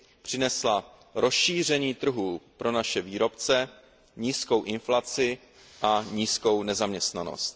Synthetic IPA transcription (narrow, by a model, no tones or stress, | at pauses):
pr̝̥ɪnɛsla | ɾo̞sʃiːr̝ɛɲiːt̪r̩ɦupɾo̞naʃɛviːɾo̞pt͡sɛ | ɲiːsko̞wʔɪnflat͡sɪ | ʔaɲiːsko̞wnɛzamɲɛst̪nano̰st̪̚